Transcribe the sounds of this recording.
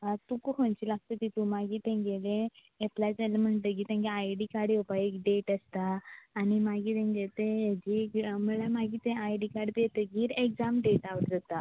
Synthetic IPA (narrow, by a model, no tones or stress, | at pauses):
at̪ukukõnt͡ɕilaɡ̚t̪ət̪it̪ũmaɡiːt̪ɛ̃ɡelẽ | eplad͡zalam̤əɳt̪əkiːt̪ãɡiajɖikaɽjɛpaekɖeʈəst̪aːnimaɡiːt̪ɛ̃ŋɡet̪ed͡ʑiməɭamaɡiːt̪ẽajɖikaɖpet̪əɡiɾekd͡zamɖeʈaʋəʈd͡zat̪a